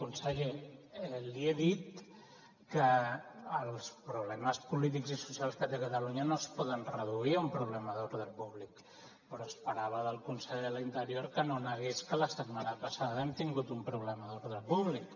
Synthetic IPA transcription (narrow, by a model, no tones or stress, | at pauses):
kunsɛʎe | liɛðit̪ | kəː | lˠspɾuβlɛməspulit̪̬ikzisu̥sialˠskət̪ekət̪əluɲənospɔðənrəðuiumpɾuβlɛməðoɾðəlˠpuβlik | pəɾɔspəɾaβ̞əðəlˠkunsɛʎðəlint̪əɾjoɾkənonəɣeskələsəd̪manapasaðəɛmt̪iŋɡut̪umpɾuβlɛməðoɾðɾəlpuβlik